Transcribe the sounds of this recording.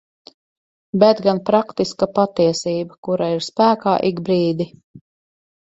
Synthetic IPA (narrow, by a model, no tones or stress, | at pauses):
bɛt̪ɡanpɾakt̪iskapat̪iɛsiːbakuɾaiɾspæːkaːʔiɡbɾiːd̪i